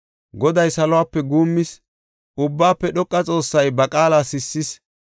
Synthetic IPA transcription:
ɡɔd̪ɐjsɐlɔwaːpːɛɡuːmːɪs | ʊbːaːpːɛɗɔkʼːɐt͡sʼo̞ːsːɐjbɐkʼaːlasɪsːɪs

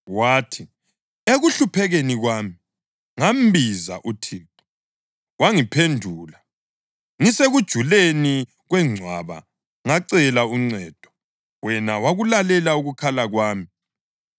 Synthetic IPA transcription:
waːtʰi | eɣuɬupʰɛɣeniɣwaːmi | ŋam̩biza̰ʔutʰiːǃu̥ | waŋipʰendʱuːla | ŋiseɣud̥ʒ̥ʱuleni | ɣwɛŋ͡ǀʱwaβa̰ | ŋaǀɛlauŋ͡ǀɛːd̥ʱɔ̥ | wɛnawaɣulalɛlauɣukʰalaɣwaːmi

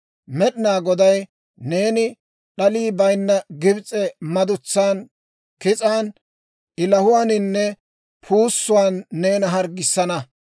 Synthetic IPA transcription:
mɛɗɪnaːɡɔd̪ɐj | ne̞ːnɪ | ɗɐliːbɐjnːɐɡɪbt͡sʼɛmɐd̪ʊt͡sːaːn | kɪt͡sʼaːn | ʔɪlɐhʊwaːnɪnːɛ | pʰuːsːʊwaːnːe̞ːnɐɦɐɾɡɪsːɐnɐ

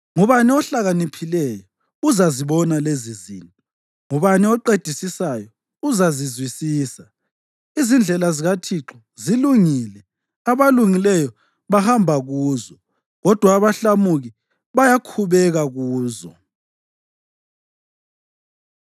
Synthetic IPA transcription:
ŋuβaniɔɬaɣanipʰilɛjɔ | uzaziβɔnalezizḭːni | ŋuβaniɔǃed̥ʱisisajɔ | uzazizwisiːsa | izind͡ɮʱɛlaziɣatʰiǁʰɔ | ziluŋilɛ | aβaluŋilɛjɔ | βahambʱaɣuːzɔ | ɣɔd̥ʱwaːβaɬamuɣi | βajakʰuβɛɣaɣuːzɔ̰

